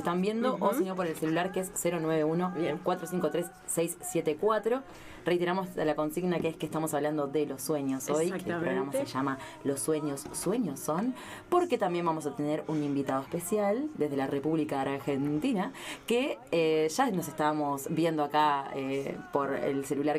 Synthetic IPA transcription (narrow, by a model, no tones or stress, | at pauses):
et̪ambje̞nd̪oʔoseɲop̬oɾelse̞lulaɾkeesːeɾo̞nwe̞β̞euno̞kwat̪ɾos̬iŋkot̪ɾesːejsːje̞t̪ekwat̪ɾo̞ | re̞jt̪eɾamosalako̞nsiɣnakeeskest̪amo̞saβland̪o̞ðe̞lo̞sːwe̞ɲo̞so̞jeepɾɾoɣɾamaseʒama | lo̞sːwe̞ɲo̞sːwe̞ɲo̞sːo̞n | po̞ɾke̞t̪ambje̞mbamo̞s̬at̪eneɾunimbit̪að̞oespe̞sjald̪eðelare̞puβlikaːɾxent̪inakeeʒano̞s̬e̞st̪amo̞sbje̞nd̪o̞akaḛpo̞ɾḛlse̞lulaɾ